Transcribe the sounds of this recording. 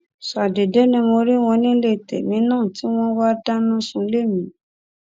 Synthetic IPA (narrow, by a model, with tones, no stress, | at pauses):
sa˨de˨de˨˦nĩ˧mo˧ɾi˦w̃ɔ̃˧nĩ˦le˦˨tɛ̰˨mĩ˧˦nãː˦˨ti˨˦w̃ɔ̃˦wa˦da˦nũ˦sũ˧˦le˦˨mĩ˨˦